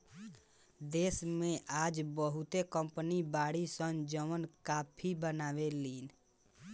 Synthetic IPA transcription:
d̪eːsmẽʔaːd͡ʒbəɦut̪ekəmpənibaːɽisə̃nd͡ʒəmənkaːpʰibənaːʋeliːn

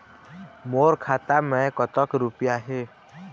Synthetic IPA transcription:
moːɾkʰaːt̪amẽkɔt̪ɔkɾupjaɦeː

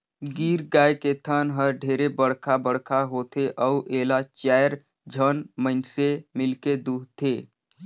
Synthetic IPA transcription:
ɡiːɾɡaːjket̪ʰənɦəɾɖʱeːɾebəɽkʰabəɽkʰaɦoːt̪ʰeʔəʔeːlat͡ʃaːjɾ | d͡ʒʱənməɪnsemɪlked̪uːɦt̪ʰːeː

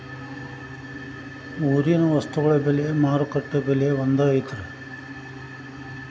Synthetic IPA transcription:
uːɾijɐnɐʋɐst̪uɣɐɭɐbeleemaːɾukɐʈːɐbɛlejeond̪ɐɐjt̪ɐɾu

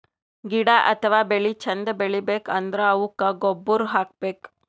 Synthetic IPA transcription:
ɡiɽaʔɐt̪ʰɐʋaːbeɭit͡ʃʰɐnd̪ɐbeɭibeːkɐnd̪ɾɐɐʋukɐɡobːuɾɦaːk̚beːk

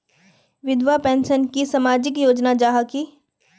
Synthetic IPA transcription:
ʋɪd̪ʋapɛ̃ːnsənkisɐmaːd͡ʒɪkjoːd͡ʒnad͡ʒaːɦaki

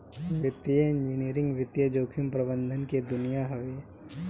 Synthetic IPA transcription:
ʋɪt̪jəɪ̃ɲd͡ʒɪniɾɪ̃ŋɡʋɪt̪jəd͡ʒoːkʰɪmpɾəbə̃nd̪ʱənked̪ʊnijaɦoːi

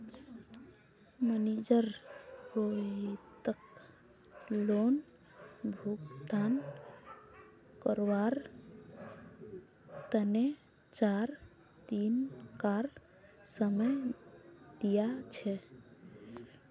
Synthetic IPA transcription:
mənid͡ʒəɾɾoit̪ək | lon | bʱuɡd̪an | kəɾʋaɾ | t̪əne | t͡ʃaɾ | t̪inkaɾ | səməj | d̪ijat͡ʃʰɛ

